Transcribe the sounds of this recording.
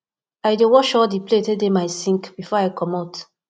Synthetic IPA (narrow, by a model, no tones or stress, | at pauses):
ajdewɔʃɔdipletedemaɪsĩŋkb̥ifɔaɪkɔmɔt